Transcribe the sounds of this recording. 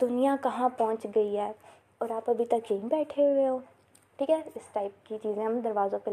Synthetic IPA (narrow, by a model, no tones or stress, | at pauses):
d̪̥ʊnijãkɐɦãpɔːʊ̃nt͡ʃɡɐiɦɛː | ɔːɾaːpɐbʱit̪ɐkɦẽɦĩbɛːʈʰeɦoeɦõː | ʈʰiːkɛːɪsʈaːɪp̚kit͡ʃiːzẽɦɐmd̪ɐɾʋaːzõpe